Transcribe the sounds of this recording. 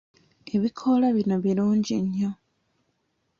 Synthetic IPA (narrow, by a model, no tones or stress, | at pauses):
e̞βikʰo̞laβinoβiɾuːɲɟiɲːo